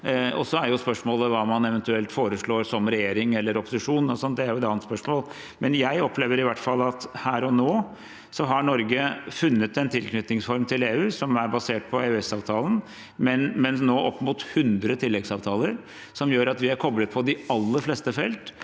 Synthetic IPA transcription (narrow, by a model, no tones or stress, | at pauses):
ɔ̰sɔæɾjʊspœʂmoːləʋɑːmɑnɛʋɛnt̪ʉɛlt̪foːɾəʂɭoːɾsɔmɾɛjeːɾɪŋɛlːəɾɔpːʊ̥sɪʂuːnɔsɔnːd̪ɛæɾjʊɛt̪ɑːnət̪spœʂmoːl | mɛnjæɪɔpleːʋəɾɪʋæʈːfɑlːɑt̪hæːɾɔnoː | sɔɦɑɳɔɾɡəfʉnːət̪ɛnt̪ʰɪlknʏt̪nɪŋsfɔɾmt̪ʰɪleːʉːsɔmæɾbɑseːʈ̚pʰɔeːʉɛsɑːʋt̪ʰɑːlən̩ | mɛnmɛnnoːʔɔpːmuːt̪hʉnd̪ɾət̪ʰɪlːɛɡsɑːʋt̪ʰɑːləɾ | sɔmjøːɾɑt̪ʋɪæɾkʰɔblət̪̚pʰɔd̪ɪɑlːəɾfleːst̪əfɛlt̪